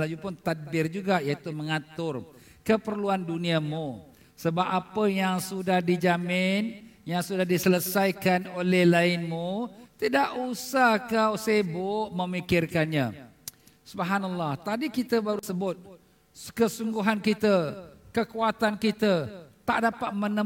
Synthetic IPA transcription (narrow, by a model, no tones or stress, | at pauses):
lad͡ʒupʊnt̪at̪̚bɪrd͡ʒuɡajat̪umə̃ŋat̪ʊr | kəpərluandunĩamu | səbapapəjaŋsudahdid͡ʒamɪnjaŋsudahdisələsajkanolɛhlaɪnmut̪idaʔusahkawsebʊʔməmikɪrkanɲã | subɦanalːaht̪adikit̪əbaɾusəbʊt̪̚ | kəsuŋɡuɦankit̪əkəkuat̪ankit̪ət̪aʔdapat̪̚mənə